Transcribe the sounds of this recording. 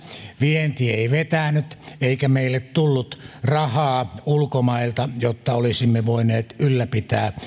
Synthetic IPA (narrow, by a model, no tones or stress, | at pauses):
ʋient̪ieˑiʋet̪ænyt̪eikæmeilːet̪t̪ulːut̪rɑhɑːulkomɑilt̪ɑjot̪ːɑolisimːeʋoineːt̪ylːæpit̪æː